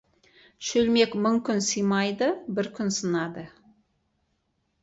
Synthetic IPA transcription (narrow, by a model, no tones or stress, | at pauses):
ʃɵlme̞kmʊɴkʲʰʏnsəjmɑjd̪əbɪɾkʲʰʏnsənɑd̪ə